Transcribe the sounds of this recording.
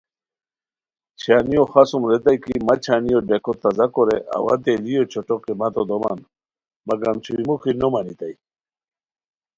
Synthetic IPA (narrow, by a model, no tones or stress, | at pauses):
t͡ɕʰanijoxasumɾet̪ajkimat͡ɕʰanijoɖekʰot̪azakoɾeʔa̰wa̰d̪elijot͡ɕʰoʈokemat̪od̪oma̰n | maɡamt͡ɕʰuimuxinomanit̪aj